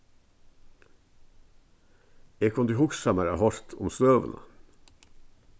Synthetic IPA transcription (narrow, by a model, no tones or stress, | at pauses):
eːkʰɔnd̪iːhʊksæmæɾəhɔɾt̪ʰʊ̰mst̪øːʋə̰nə̰